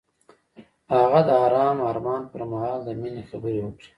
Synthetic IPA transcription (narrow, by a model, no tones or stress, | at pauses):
haɣad̪əaːɾɑːmaɾmɑːnpəɾmaɦɑːld̪əminexabəɾewəkɽi̥